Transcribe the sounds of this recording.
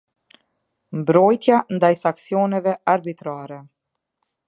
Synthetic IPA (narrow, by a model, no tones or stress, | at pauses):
mbɾɔjt̪jand̪ajsaksijɔnɛvɛaɾbit̪ɾaɾɛ